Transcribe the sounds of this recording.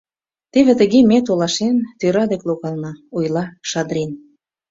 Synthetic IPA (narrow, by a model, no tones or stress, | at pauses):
t̪eβĕt̪ə̆ɣemet̪olɑʃent̪øɾɑd̪ekloɣɑlnɑujlɑʃɑd̪ɾen